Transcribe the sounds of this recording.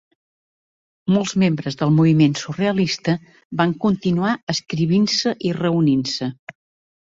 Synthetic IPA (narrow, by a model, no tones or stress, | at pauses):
molˠzmembɾəzðəlˠmuβimensureəlist̪ə | baŋkunt̪inuaəskɾiβinsəʔirəuninsə